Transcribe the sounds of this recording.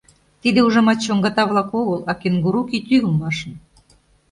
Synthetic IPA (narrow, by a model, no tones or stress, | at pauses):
t̪id̪euʒɑmɑt̪t͡ɕoŋɡɑt̪ɑβlɑkoɣəlɑkenɡuɾukit̪yɣəlmɑʃə̆n